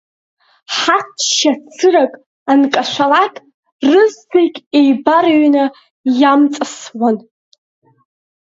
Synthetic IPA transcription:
ħat͡sʰʃat͡sʰɨrakʼ | ankʼaʃʷalatʼ | rɨztʰejkʲʼejbarɥna | jamt͡sʼaswan

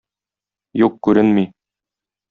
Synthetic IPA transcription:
juq̚kʉɾɘnmi

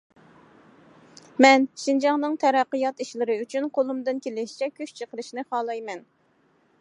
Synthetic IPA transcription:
mɛnʃind͡ʒɑŋnɨŋt̪ʰɛɾæqːɨjɑt̪iʃlɪɾɪyt͡ʃʰynqʰolˠumd̪ɨnkʲʰelɪʃi̥t͡ʃʰɛkʲʰyʃt͡ʃʰəqəɾɨʃnɨχɑːlˠɑjmɛn

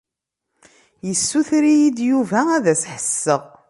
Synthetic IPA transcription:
jəsːuθɾijid̪juvææðæsħəsːəʁ

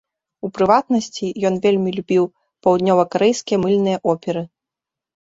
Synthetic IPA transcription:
upɾɨvat̪nɐsʲt͡sʲijɔnvʲelʲmʲilʲubʲiw | pɐwd̪nʲɔvɐkɐɾɛjskʲijɐmɨlʲnɨjɐʔɔpʲɛɾɨ

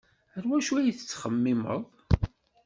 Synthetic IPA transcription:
əɾwæʃuæjiθət͡sːχəmːɪmə̰ðˤ

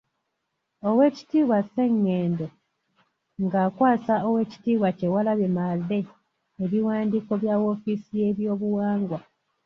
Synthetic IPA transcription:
owe̞ːci̥tiːβwase̞ŋːeːndo | ŋɡaːkwaːsaowe̞ːci̥tiːβwace̞walaβemaðe̞ː | βiwaːndiko̞βjawo̞fisije̞βjo̞ːβuwaːŋɡwa

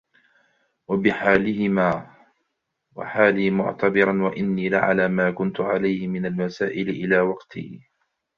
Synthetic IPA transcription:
wabɪħaːlɪhɪmaː | wa̰ħaːliːmʊ̰ʕt̪abɪɾanwaʔɪnːiːlaʕa̰laːmaːkʊnt̪ʊʕalajhɪmɪnalmasaːʔɪlɪʔɪlaːwɑqt̪ʰḭː

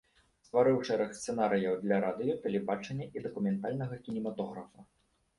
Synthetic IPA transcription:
st̪vaɾɨwt͡ʂɛɾɐxst̪sɛnaɾɨjɐwd̪lʲɐɾad̪ɨjɐt̪ɐlʲɛbat͡ʂɐnʲːɐʔid̪ɐkumʲɛnt̪alʲnɐɣɐkʲinʲɛmat̪ɔɣɾɐfu

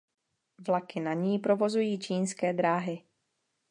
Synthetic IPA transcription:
vlakɪnaɲiːpɾo̞vo̞zujiːt͡ʃiːnskɛːd̪ɾaːɦɪ

